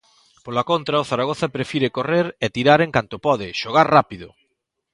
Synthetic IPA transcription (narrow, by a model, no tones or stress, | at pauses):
polakont̪ɾaʊθaɾaɣ̞oθapɾefiɾɪkoreɾɛt̪iɾaɾeŋkant̪ʊpɔðɪʃoɣ̞aɾrapiðʊ̰